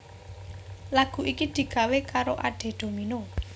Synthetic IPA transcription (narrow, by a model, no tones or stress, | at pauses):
laɡ̥ṳʔikid̪̥i̤kawekaɾoʔa̰ɖ̥e̤d̪̥o̤mino